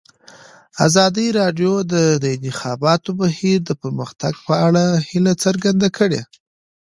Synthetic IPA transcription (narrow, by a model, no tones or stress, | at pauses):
a̰zɑd̪iɾɑɖjod̪əd̪əɪnt̪ɪxɑbɑt̪obahiɾd̪əpəɾməxt̪aɡpəaɽahilat͡səɾɡand̪akʰəɽḛ